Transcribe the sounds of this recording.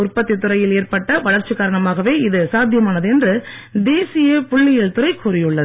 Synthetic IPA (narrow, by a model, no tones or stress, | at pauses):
ʊrpɐt̪ːit̪ːɯɾɐjɪleːrpɐʈːɐʋɐɻɐɾt͡ʃːɯkːaːɾɐɳɐmaːɣɐʋeːɪðɯsaːd̪ʱjɐmaːnɐðɯɛndrɯd̪eːsɪjɐpʊɭːɪjɪɭt̪ɯɾɐɪkʊɾɪjɯɭːɐðɯ